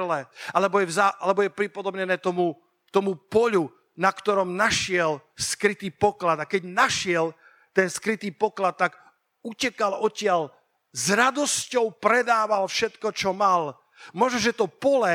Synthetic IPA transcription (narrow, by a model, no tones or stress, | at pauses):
lɛalɛbɔjɛzaʔalɛbɔjɛpɾipɔd̪ɔbɲɛnɛːt̪ɔmu | t̪ɔmupɔʎu | nakt̪ɔɾɔmnaʃɪɛlskɾit̪iːpɔklad̪akɛɟnaʃɪɛl | t̪ɛnskɾit̪iːpɔklat̪ːaɡ | ucɛkalɔcɪaʎ | zɾad̪ɔscɔʊpɾɛd̪aːʋalfʃɛt̪kɔt͡ʃɔmal | mɔʒnɔʒɛt̪ɔpɔlɛ